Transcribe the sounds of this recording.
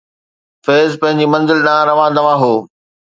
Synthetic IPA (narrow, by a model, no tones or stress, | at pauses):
feːzpɐ̃ɦɪ̃ɲ̆d͡ʑimɐ̃nzɪlɗãɾɐʋãːd̪ɐʋãɦoː